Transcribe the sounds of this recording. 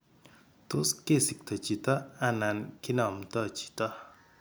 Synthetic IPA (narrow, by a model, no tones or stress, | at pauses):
t̪oskesik̚t̪ʰɐt͡ɕit̪ɐanankinamt̪at͡ɕi̥t̪ɐ